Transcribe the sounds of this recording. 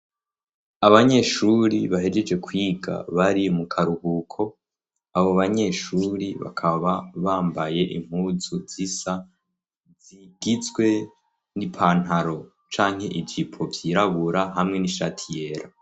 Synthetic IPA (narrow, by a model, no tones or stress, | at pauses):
aβaɲe̞ʃuɾiβaɦe̞d͡ʒe̞d͡ʒe̞kwiɡa̰βaɾiomukʰaɾuhuːkʰo̞ | aβo̞βaɲe̞ʃuɾiβa̰kʰaβaβaːmbaje̞ʔḭm̥huːzuz̥isa | z̥iɡ̥it͡sɡwe̞ | nipʰaːn̥ɦaɾo̞ | t͡ʃaːŋe̞ʔivɟipʰo̞vjiːɾaβuɾaɦamŋe̞niʃatʰije̞ːɾa